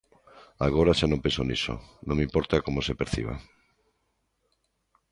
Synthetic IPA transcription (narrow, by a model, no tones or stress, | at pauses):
aɣ̞oɾaʃanõmpesonḭso̰nõŋmimpoɾt̪akomosepeɾθḭβ̞a̰